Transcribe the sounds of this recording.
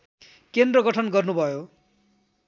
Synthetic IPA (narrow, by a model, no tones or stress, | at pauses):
kend̪rʌɡʌʈʰʌnɡʌrnubʱʌjo